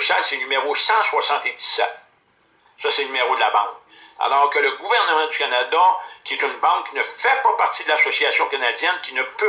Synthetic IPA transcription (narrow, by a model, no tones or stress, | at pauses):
sjalsɛnymeʁosɑ̃swasɑ̃t̪ed̪i̥sɛt̪̚ | sʌsenymeʁod̪əlabɑ̰̃ŋk̚ | a̰lɔːʁkələɡuvɛʁnəmɑ̃dzykʲanad̪akʲiɛt̪ynbɑ̃kkʲːinəfɛpɔpaʁt̪id̪əlasɔsiasjɔ̃kanad͡zjɛnkʲinəpø